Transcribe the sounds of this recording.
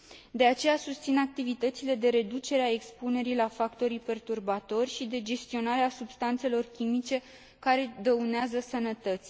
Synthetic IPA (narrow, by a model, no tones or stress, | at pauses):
d̪e̞at͡ʃe̞jasust̪sinak̚t̪ivit̪ət̪sile̞d̪e̞ɾe̞d̪ut͡ʃe̞ɾeae̞kspune̞ɾilafakt̪o̞ɾijpe̞rt̪urbat̪o̞rʲʃid̪e̞d͡ʒe̞st̪io̞naɾeasubst̪ant̪se̞lo̞rkʲimit͡ʃe̞ | kaɾe̞d̪əuneazəsənət̪ət̪sʲ